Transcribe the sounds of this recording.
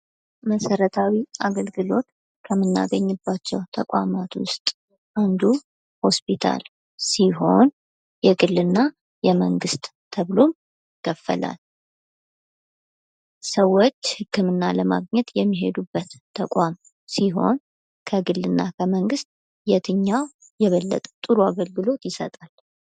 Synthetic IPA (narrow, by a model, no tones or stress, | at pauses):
məsəɾət̪ʰawiaɡəlɡɨlo̞t̪ | kʰəmːɨnːa̰ɡəɲːɨbːat͡ʃːɛwt̪ʰəkʼamat̪ʰwʊ̰st̪ʼ | ʔand̪u | ho̞spʰit̪ʰa̰l | siɦo̞n | jɛɡɨlːɨnːa | jɛməŋɡɨst̪ʼt̪ʰːəβlo̞m | ɪkʰːəfːə̰la̰l | səwːot͡ʃːhɨkːɨmɨnːaləma̰ɡɲɛt̪jɛmːiɦe̞d̪ubːət̪ʰːəkʷʼam | siɦo̞̰n | kʰəɡɨlːɨnːa̰kʰəməŋɡɨst̪̚ʼ | jɛt̪ʰɨɲːaw | jɛβəlːə̰t̪ʼət̪ʼɨɾuaɡəlɡɨlo̞t̪jɪsət̪ʼal